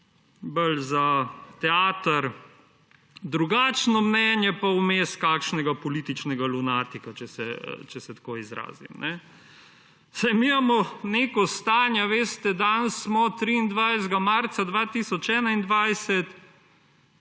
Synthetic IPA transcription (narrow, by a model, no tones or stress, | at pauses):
bəlzat̪ɛaːt̪ɐɾ | d̪ɾuɡaːt͡ʃnɔmnɛnjɛpawmeskaːkʃnɛɡapɔliːt̪it͡ʃnɛɡalunaːt̪ikat͡ʃɛsɛ̰t͡ʃɛsɛt̪koːizɾa̰ːzḭmnʔɛ | sajmimamɔnekɔst̪aːnjaʋeːst̪ɛd̪ansmɔt̪ɾiːnd̪ʋajzɡamaɾt̪sad̪ʋat̪isɔt͡ʃɛːnaind̪ʋajsɛt̪